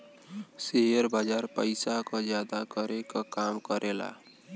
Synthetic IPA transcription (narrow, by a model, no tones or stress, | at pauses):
seɦjəɾbad͡ʒaɾpəɪsakɔd͡ʒjad̪akəɾekakamkəɾʔela̰